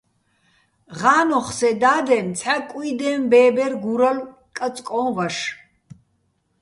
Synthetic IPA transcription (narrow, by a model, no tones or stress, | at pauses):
ʁaːnɔχsɛd̪aːd̪ɛmt͡sʰħakʼid̪ɛmbɛːbɛrɡuɾɐl | kʼɐt͡sʼkʼɔvɐʃ